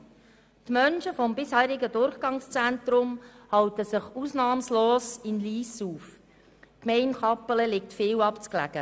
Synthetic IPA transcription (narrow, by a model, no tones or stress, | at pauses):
tmœnʃəfɔmbɪshɛːɾɪɡədʊɾχɡ̥ɑŋst͡sɛntɾʊm | hɑwtəsəχuːsnɑːmsloːsɪnliːsuːf | kmɛɪnχɑpːələlɪktfɪːwɑpt͡sklæ̰ɡ̥ə